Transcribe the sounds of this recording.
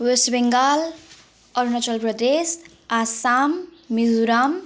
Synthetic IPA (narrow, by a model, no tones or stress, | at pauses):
wesbeŋɡal | ʌɾnʌt͡ʃʌlprʌd̪es | asamːizuɾam